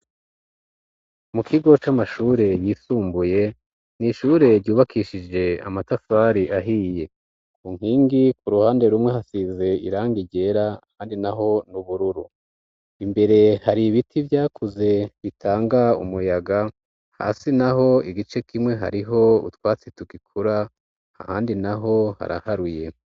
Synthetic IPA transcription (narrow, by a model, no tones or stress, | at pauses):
mukʰiɡo̞t͡ʃamaʃuːɾe̞jiːsuːmbuje̞ | niʃuːɾe̞ɾɟuːβakʰiːʃid͡ʒe̞a̰matafaɾiʔaɦije̞ | kuːŋ̥hiːŋɡikuɾuhaːnde̞ɾumŋe̞hasize̞ḭɾaːŋɡiɟe̞ɾahaːndinaɦo̞nuβuɾuɾu | imbe̞ɾe̞haɾiβitʰivjaːkʰuze̞βitʰaːŋɡaṵmujaɡa | ha̰ːsinaɦo̞iɡit͡ʃe̞kimŋe̞ɦa̰ɾiɦo̞ṵtwaːt͡situɡikʰuɾa | a̰haːndinaɦo̞ha̰ɾa̰haɾuje̞